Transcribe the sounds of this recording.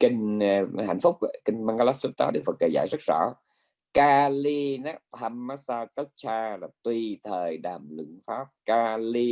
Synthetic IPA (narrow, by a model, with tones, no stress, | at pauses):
kï˧ŋha̰˧˩jŋ̟fʊ˦˥k͡p̚kï˧ŋ̟maː˧ɡa˧la˦˥ssu˦˥t̚t̪aː˨˦ɗk̚fə˨˩t̚kəː˧˩za̰ː˧˩jzə˦˥t̚z̥ɔ̰˧˥ | kaː˧li˧na˦˥aː˧mːa˦˥saː˧kə˦˥t̚t͡ɕaː˧laː˨˩t̪wi˧t̪ʰəː˨˩jɗaː˨˩mlɨ̰˧˥ŋfaː˦˥p̚kaː˧li˧